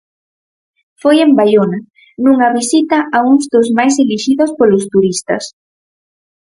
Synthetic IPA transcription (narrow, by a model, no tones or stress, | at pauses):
fojembaʎona | nuŋɐβisit̪aʔauŋzðʊzmajs̬eliʃiðʊspolʊst̪uɾist̪ɐ̰s